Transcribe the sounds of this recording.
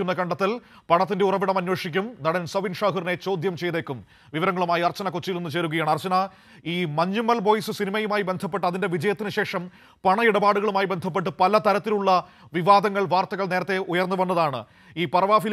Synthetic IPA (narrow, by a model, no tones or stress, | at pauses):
unːɐkɐɳɖɐt̪ːil | pɐɳɐt̪ːinde̞urɐʋiɽɐmɐnːwoːʂikʲːumnɐɽɐnsɐʋinʂaːɦɐrine̞t͡ɕo̞ːd̪ʱjɐmt͡ɕe̞jðekːum | ʋiʋɐɾɐŋːɐɭumaːjiɐrt͡ɕːɐnɐkot͡ɕːijilenːɨt͡ɕe̞ːɾuɣɐjaːɳɨɐrt͡ɕuna | iːmɐɲːumɐlbo̞ːjsɨsinimɐjumaːjibe̞nd̪ʱɐpːe̞ʈːɨɐðinde̞ʋid͡ʑɐjɐt̪ːinɨɕe̞ːʂɐm | pɐɳɐiɽɐbaːɽuɣɐɭumaːjibe̞nd̪ʱɐp̬ːe̞ʈ̬ːɨpɐlɐt̪ɐɾɐt̪ːiluɭːɐ | ʋiʋaːd̪ɐŋːɐɭʋaːrt̪ɐɣɐɭne̞ːɾɐt̪ːe̞ʔujɐrnːuʋɐnːɐðaːɳɨ̰ | iːpɐrɐʋaːfil